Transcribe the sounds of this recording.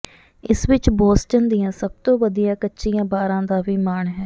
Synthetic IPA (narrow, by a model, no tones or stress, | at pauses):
ɪsʋɪt͡ʃboːst͡ʃənd̪ijãːsəb̚t̪õːʋəd̪ijãːkətːʃijãːbaːɾãːd̪aːʋiːmaːɳɦɛː